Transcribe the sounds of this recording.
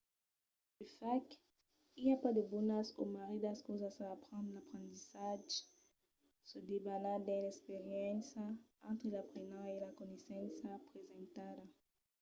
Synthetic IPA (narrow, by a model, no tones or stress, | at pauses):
d̥əfak̚t | iljapad̪əbɔnasomaʁidaskozasaːpχɑ̃nlapχɑ̃t̪isaʒ | səd̪ebalad̪ɛ̃lɛkspeʁjɛ̃nsaɑ̃t̪χəlapχenɑ̃elakɔnesɑ̃nsapχezɑ̃t̪ad̪a